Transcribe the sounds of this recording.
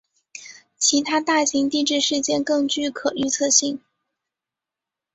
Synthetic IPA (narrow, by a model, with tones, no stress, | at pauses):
t͡ɕʰi˧˥t̪ʰa˥t̪a˥˩ɕi˧˥ŋt̪i˥˧ʈ͡ʂɻ̩˥˧ʂɻ̩˥˧t͡ɕjɛ˥˧nkɤ˥˧ŋt͡ɕy˥˩kʰɤ˨˩y˥˧t͡sʰɤ˥˧ɕi˥˩ŋ